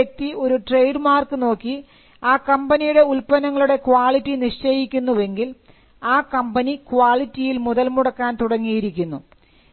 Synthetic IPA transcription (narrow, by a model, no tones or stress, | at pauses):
ek̚t̪ːio̞ɾuʈre̞jɖmaːrkɨno̞ːkːi | aːkɐmbɐnijuɽe̞ulpɐnɐŋːɐɭuɽe̞kwaːɭitːiniʂt͡ɕɐjikʲːunːuʋe̞ŋɡil | aːkɐmbɐnikwaːɭitːijilmuðɐlmuɽɐkːaːnt̪uɽɐŋːijiɾikʲːunːu